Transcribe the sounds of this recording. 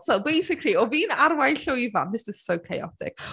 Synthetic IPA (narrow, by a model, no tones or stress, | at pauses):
sɛlbejsɪkʰrliɔviːnarwajɬɔiva̰nðɪsɪz̥sowkʰejɔ̰tʰɪ̰ɡ̥